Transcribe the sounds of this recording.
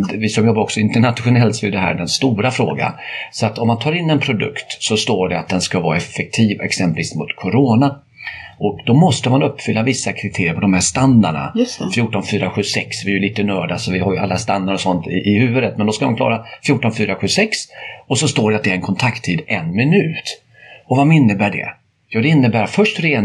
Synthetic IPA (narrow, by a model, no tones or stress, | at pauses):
vɪsɔmjɔbːaɾɔksɔɪnt̪əɳat̪ɧʊnɛlt̪sɔɛd̪ɛɦæ̰ːɖɛnst̪uːɾafɾo̰ːɡa̰sɔat̪ɔmːant̪ʰɑːɾɪnːɛnpʰɾʊd̪ɵ̰kt̪sɔst̪oːɖɛat̪̚d̪ɛnskavɑːaɛfːɛk̚t̪ʰiːvɛ̰ksɛmplviːsmʊt̪kʰʊɾoːna | ʔɔkd̪ɔmɔst̪əmanɵpːfʏlːavɪsːakʰɾɪt̪ʰeːɾɪəpɔd̪ɔmhæːʂt̪and̪a̰ɳa̰jt̪ɛfjuːʈɔnfyːɾaɧʉ̟ːsɛksvɪɛjɵliːt̪ənœːɖasɔvɪhaɾjɵa̰lːast̪and̪aɾɔsɔnt̪ɪ̰ʔɪhʉ̟ːvəd̪ət̪̚mɛnd̪ɔskamankʰlɑ̰ːɾafjuːʈːɔnfyːɾaɧʉ̟ːsɛksɔsɔst̪oːɖɛat̪̚d̪ɛæɾɛnkʰɔnt̪ʰakt̪ʰːiːd̪ʔɛnmɪnʉ̟ːt̪ | ɔvamɪnːəbæːɖɛ̰ | jɑːd̪ɛɪnːəbæːɾfœʂʈɾeːn